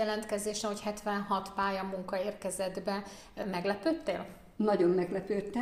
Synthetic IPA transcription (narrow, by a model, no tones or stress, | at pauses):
ɛlɛnt̪kɛzeːʃɛɦo̞chɛt̪ʋɛnɦɒt̪paːjɒmuŋkɒeːrkɛzɛd̪bɛ | mɛɡlɛpøːt̪ːeːl | nɒɟo̞mmɛɡlɛpøːt̪ːɛ